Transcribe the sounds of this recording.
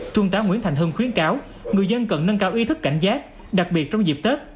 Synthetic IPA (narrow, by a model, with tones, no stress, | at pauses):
t͡ɕʊ˧ŋ͡mt̪aː˨˦ŋḭ˧˥ənt̪a˨˩jŋ̟ɦɨ˧ŋxwi˨˦ənkaː˨˦w | ŋɨ˨˩əjzə˧nkə˨˩nːə˧nkaː˨˦wʔi˧t̪ʰɨ˦˥kːa˧˩jŋ̟zaː˦˥t̚ | ɗa˨˩k̚ɓi˨˩ət̚t͡ɕɔ˧wŋ͡mzi˨˩p̚t̪e˦˥t̚